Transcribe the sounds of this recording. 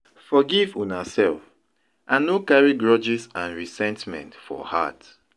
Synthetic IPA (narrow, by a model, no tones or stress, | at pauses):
fɔɡivũnasɛlf | ʔãnːokaɹiɡɹɔd͡ʒisãnɹisɛ̃ntmɛ̰̃ntfɔ̰ha̰t